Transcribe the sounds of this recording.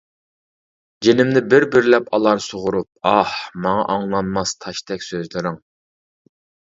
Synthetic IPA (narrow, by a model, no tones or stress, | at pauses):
d͡ʒenɪmnɪbɪɾbɪɾlɛpɑlˠɑɾsoʁʊɾup̚ɑhmɑŋɑ̰ʔɑŋlˠɑnmɑst̪ʰɑʃt̪ɛkʲsøzlɪɾɪŋ